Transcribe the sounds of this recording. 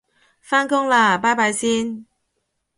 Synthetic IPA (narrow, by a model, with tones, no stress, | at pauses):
faː˥nkʊ˥ŋlaː˧˩paː˥jpaː˧jsiː˥n